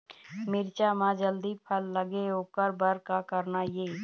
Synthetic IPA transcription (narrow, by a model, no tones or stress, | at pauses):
mɪɾt͡ʃaːmãd͡ʒəld̪ipʰəlːəɡeɦoːkəɾbəɾkakəɾnajeː